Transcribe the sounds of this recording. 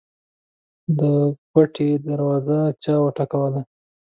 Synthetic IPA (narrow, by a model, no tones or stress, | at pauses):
d̪əkwaʈʰed̪aɾwɑzat͡ʃɑwəʈakawala